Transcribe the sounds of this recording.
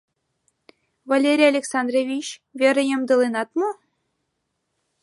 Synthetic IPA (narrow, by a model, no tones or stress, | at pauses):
valʲeɾʲijalʲeksɑnd̪revʲit͡ɕvʲeɾɘ̆jɤ̆md̪ɤ̆lˠenɑt̪mo